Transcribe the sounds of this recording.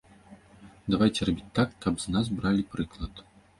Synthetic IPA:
d̪avajt͡sʲɛrabʲit͡sʲt̪akːɐbznazbɾalʲipɾɨklˠɐt̪

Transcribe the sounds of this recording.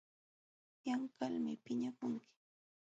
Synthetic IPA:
jaŋkalmɪpɪɲakʊŋkɪ̥

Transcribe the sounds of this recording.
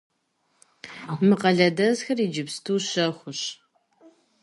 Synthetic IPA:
mɨqɐɮɐdɐzxɐrid͡ʒɪpstʰuːɕɐχʷʊɕ

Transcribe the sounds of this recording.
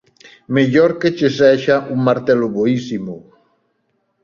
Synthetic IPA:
meʎoɾket͡ʃesɛʃaʔuŋmaɾt̪ɛlʊβoisimo

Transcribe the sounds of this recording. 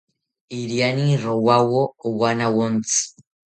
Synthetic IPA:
iɾianiɾowawowanawont͡s

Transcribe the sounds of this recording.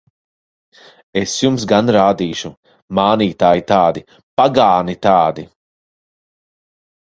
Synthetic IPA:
esjums̬ɡanɾaːd̪iːʃu | maːniːt̪aːjit̪aːd̪i | paɡaːnit̪aːd̪i

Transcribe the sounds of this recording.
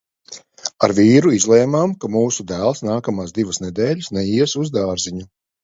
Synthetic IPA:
aɾvʲiːɾuizlˠɛːmaːmkamuːsud̪æːlˠsnaːkamaːsd̪ivɐsnɛd̪ɛːʎʲɨsnɛiɛsuzd̪aːɾziɲu

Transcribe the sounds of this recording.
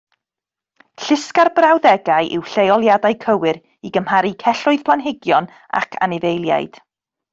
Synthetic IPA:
ɬɪskarbrawðɛɡajʔɪwɬejɔlˠjadajkʰəwɨɾ | iɡəmhaɾikʰɛɬʊɨðpʰlˠanɦɪɡjɔn | a̰kʰa̰nɪvejlˠja̰jd̥

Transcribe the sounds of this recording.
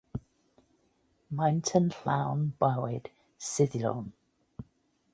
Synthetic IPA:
majntʰənɬawnb̥awɪd̥ | sɪðlo̰wn

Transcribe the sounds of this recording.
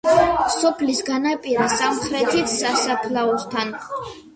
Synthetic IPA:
sɔpʰlisɡanapʼiɾasamχɾɛt̪ʰisasapʰlaɔst̪ʰan

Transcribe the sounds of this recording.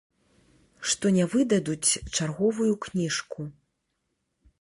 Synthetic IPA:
ʂt̪ɔnʲɛvɨd̪ɐd̪ut͡sʲt͡ʂarɣɔvujuknʲiʂku

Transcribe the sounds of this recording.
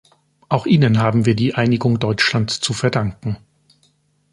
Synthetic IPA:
ʔaʊxʔiːnənɦaːbm̩viːɐdiːʔaɪnɪɡʊŋdɔʏt͡ʃlantt͡sufɛɐdaŋkŋ̩

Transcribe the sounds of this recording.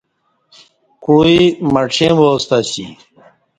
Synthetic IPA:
kuimɐʈ͡ʂʰẽmost̪asḭ

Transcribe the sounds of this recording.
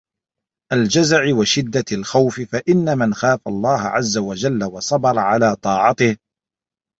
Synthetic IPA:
ʔald͡ʒazʕɪwaʃɪd̪ːaalxawfɪfaʔɪnːamanxaːfalˤːɑːhʕazːawad͡ʒalːawɑsˤɑbɑɾˤɑʕalaːt̪ˤɑːʕɑt̪ɪh

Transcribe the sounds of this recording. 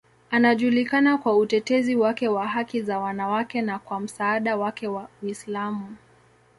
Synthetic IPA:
anaʄulikanakwautɛtɛziwakɛwaɦakizawanawakɛnakwam̩saːɗawakɛwawislamu

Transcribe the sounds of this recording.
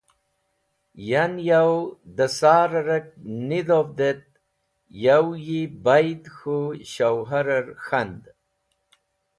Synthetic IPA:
janjawd̪əsaːɾaɾək̚nid̪ovd̪et̪̚ | jawjibajd̪xuɕawɦaɾaɾxand̪

